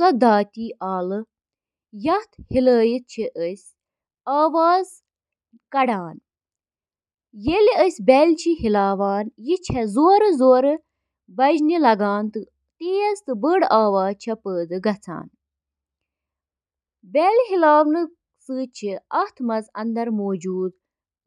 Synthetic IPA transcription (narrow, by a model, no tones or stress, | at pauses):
sɐd̪aːt̪ʲiːʔaːlɨ | jɐt̪ʰhiləːjit̪̚t͡ʃʰiʔəsʲ | aːʋaːz | kɐɽaːn | jeliəsʲbʲɛlʲt͡ʃʰiɦilaːʋaːnjit͡ʃʰɛzoːɾɨzoːɾɨ | bɐd͡ʒnilɐɡaːnt̪ɨ | t̪iːjɐzt̪ɨbəɽaːʋaːzt͡ʃʰɐpəːd̪ɨɡɐt͡sʰa̰ːn | bɛlɦilaːʋnɨ | sɨːt͡ʃʰiɐht̪ʰmɐzɐ̰nd̪ɐɾmoːd͡ʒuːd̪